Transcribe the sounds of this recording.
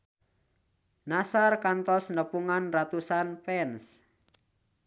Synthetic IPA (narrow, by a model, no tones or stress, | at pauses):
nasarkant̪ɔsnəpuŋanrat̪usanpɛns